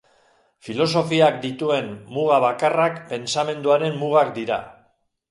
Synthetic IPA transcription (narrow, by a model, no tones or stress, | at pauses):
filo̞so̞fiak̚d̪it̪ue̞nmuɣaβ̞akarakpe̞nsamẽ̞nd̪uaɾe̞mmuɣakd̪iɾa̰